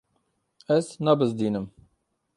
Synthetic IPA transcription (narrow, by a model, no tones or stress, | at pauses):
ɛznɑbɨzd̪iːnɨm